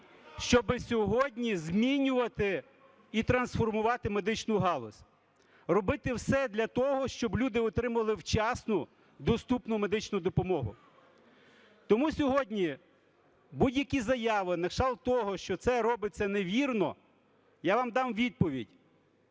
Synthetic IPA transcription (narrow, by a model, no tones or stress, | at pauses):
ʃt͡ʃɔbɪsʲɔɦɔdʲnʲizʲmʲinʲʊʋɐt̪ɪ | it̪ɾɐnsfɔrmʊʋɑt̪ɪme̞d̪ɪt͡ʃnʊɦɑlˠɔ̰sʲ | rɔbɪt̪ɪwsɛd̪lʲɐt̪ɔɦɔʃt͡ʃɔblʲud̪ɪɔt̪ɾɪmʊʋɐlˠɪwt͡ʃɑsnʊ | d̪ɔst̪upnʊme̞d̪ɪt͡ʃnʊd̪ɔpɔmɔɦʊ̰ | t̪ɔmusʲɔɦɔdʲnʲi | budʲjɐkʲizɐjɑʋɪnɐʃɑlˠt̪ɔɦɔʃt͡ʃɔt̪sɛɾɔbɪt͡sʲːɐneʋʲirnɔ̰ | jaʋɑmd̪ɑmʋʲid̪̚pɔʋʲḭdʲ